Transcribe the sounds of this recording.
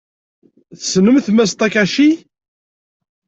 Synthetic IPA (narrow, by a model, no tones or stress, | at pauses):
θəsnəmθmæs̬t̪ˤækæʃi